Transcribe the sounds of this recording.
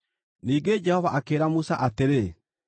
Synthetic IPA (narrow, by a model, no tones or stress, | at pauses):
niːɡed͡ʒɛhɔvaʔakeːɾamusaʔateɾe